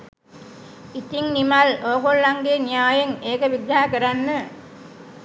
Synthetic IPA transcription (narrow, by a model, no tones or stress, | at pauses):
it̪iŋnimɐloːkolːaŋɡ̪eːnijaːjɐŋeːkɐʋid̪ːaːɐkɐɾanːɨ